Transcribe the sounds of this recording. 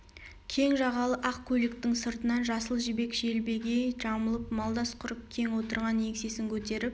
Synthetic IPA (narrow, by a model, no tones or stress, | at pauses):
kʲʰe̞ŋʒɑʁɑlˠəʔɑq̚kʲʰɵlɪk̚t̪ɪŋsəɾt̪ənɑnʒɑsəlˠʒɪbe̞kʒelbe̞ɡʲe̞ʒ̥ɑməlˠəp̚mɑlˠd̪ɑsqʰʊɾəp̚kʲʰe̞ŋwo̞t̪əɾʁɑnje̞kse̞sɪŋkʲʰɵt̪e̞ɾɪp̚